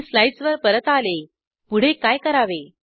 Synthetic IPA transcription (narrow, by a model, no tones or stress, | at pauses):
slajsʋəɾpəɾət̪ale | puɽ̤ekajkəɾaʋe